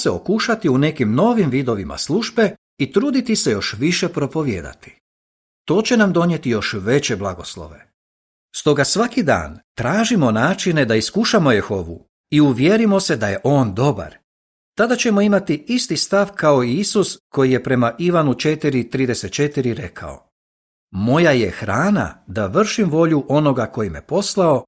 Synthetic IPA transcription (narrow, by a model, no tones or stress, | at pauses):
seo̞kuʃat̪iune̞kimno̞ʋimʋid̪o̞ʋima̰slˠuʒbe̞ | it̪ɾuːd̪it̪ise̞jo̞ʃʋiʃe̞pɾo̞po̞ʋje̞̰ːd̪a̰t̪i̥ | t̪o̞ːt͡ɕe̞namd̪o̞nje̞t̪ijo̞ʃʋe̞t͡ɕe̞blˠaɡo̞slˠo̞̰ʋe̞ | st̪o̞ɡasʋakid̪a̰ːnt̪ɾaːʒimo̞naːt͡ʃine̞d̪aiskuʃamo̞jexo̞ʋṵ | iuʋjeɾimo̞se̞d̪aje̞ʔo̞ːnd̪o̞ba̰ɾ | t̪ad̪at͡ɕe̞mo̞imat̪iist̪ist̪aʋkao̞iisusko̞jije̞pɾe̞maʔiʋanut͡ʃe̞t̪iɾit̪ɾiːd̪e̞set̪̚t͡ʃe̞t̪iɾiɾe̞kʰa̰o̞̰ | mo̞jaje̞xɾaːna̰d̪aʋr̩ʃimʋo̞ʎuʔo̞no̞ɡako̞jimje̞po̞slˠao̞